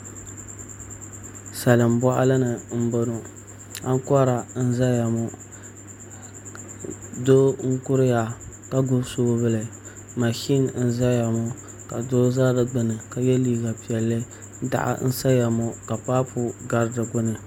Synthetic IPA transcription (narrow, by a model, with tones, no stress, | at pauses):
sa˨lɨ˨m˦bɔ˦ʔa̰˦lɨ˦nɨ˨m̩˦bo˦no˨ | a˦ŋ˦kɔ˦ɾa˨n̩˦za˦ja˨mo˦ | doː˦ŋ̩˦kʊ˦ɾɨ˦ja˨ka˦ɡʊ˦soː˦bɨ˦˨lɨ˨ | ma˨ʃi˦nn̩˦za˦ja˨mɔ˦ | ka˨doː˦zaː˦dɨ˦ɡ͡bɨ˨nɨ˨ka˦jɛ˦liː˦ɡa˨pi˨ɛ˨lːɨ˦ | da̰˨ʔa̰˨n̩˦sa˦ja˨mo˨ka˨paː˦pʊ˦ɡa˦ɾdɨ˨ɡʊ˦nɨ˨